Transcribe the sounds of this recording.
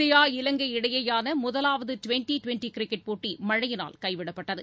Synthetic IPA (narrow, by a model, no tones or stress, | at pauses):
ɐjaːɪlɐŋɡɐɪɽɐjɐjaːnɐmʊðɐlaːʋɐðɯʈʊʋɛɳʈiʈʊʋɛɳʈikɪɾɪkːɐʈ̚poːʈːimɐɻɐjɪna̰ːlkɐɪʋɪɽɐpːɐʈːɐðɯ